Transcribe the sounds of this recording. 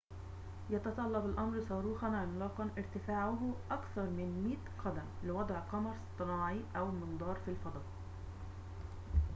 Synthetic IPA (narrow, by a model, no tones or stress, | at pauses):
jɑt̪ɑt̪ˤɑlːɑbalʔɑmɾsˤɑːɾuːxɑnɪmlɑːqɑnʔɪɾt̪ɪfaːʕʊɦʔakθɑɾˤmɪnmiːt̪qɑd̪æmlɪwɑd̪ˤʕqɑmɑɾˤst̪ˤːɨnɑːʕiʔæwɪlmɪnd̪ˤɑːɾˤfilfɑd̪ˤɑːʔ